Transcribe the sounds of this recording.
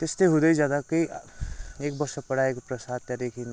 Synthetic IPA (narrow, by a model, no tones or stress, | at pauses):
t̪est̪eɦʊd̪əid͡ʒjaːd̪akəi | eːk̚bəɾsəpəɽ̤aekpɾəsaːd̪̚jad̪eːkʰin